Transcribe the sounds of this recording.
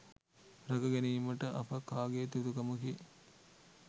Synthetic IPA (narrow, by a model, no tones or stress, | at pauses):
ɾɐɡəɡæniːməʈəʔɐpəkaːɡeːt̪ud̪ukɐməki